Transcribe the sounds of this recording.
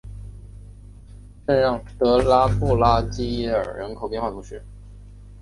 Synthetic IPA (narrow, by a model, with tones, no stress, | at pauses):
ʈ͡ʂə˥˧ɻɑ˥˩ŋt̪ɤ˧˥la˥pʰu˥˩la˥t͡ɕi˥ə̰˞˨˩ɻə˧˥nkʰo˨˩ʊpjxwa˥˩t̪ʰu˧˥ʂɻ̩˥˩